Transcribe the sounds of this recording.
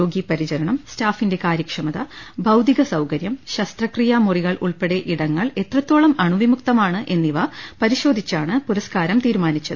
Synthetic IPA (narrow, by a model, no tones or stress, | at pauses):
oːɡipɐɾit͡ɕɐɾɐɳɐmstaːfinde̞kaːɾjɐkʂɐmɐðɐbʱɐwd̪iɣɐsɐwkɐɾjɐmɕɐst̪rɐkrijamuriɣɐɭʔuɭpeɽe̞ʔiɽɐŋːɐɭe̞t̪rɐt̪ːoːɭɐmɐɳuʋimuk̚t̪ɐmaːɳɨʔe̞nːiʋɐpɐɾiɕo̞ːd̪ʱit͡ɕːaːɳɨpuɾɐskaːɾɐmt̪iːɾumaːnit͡ɕːɐðɨ